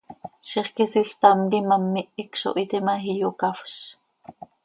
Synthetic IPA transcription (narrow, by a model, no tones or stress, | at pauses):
ʃiχkisiɬt̪ɑmlimɑmːiʔikʃo̰ʔit̪imɑxijokɑfʃ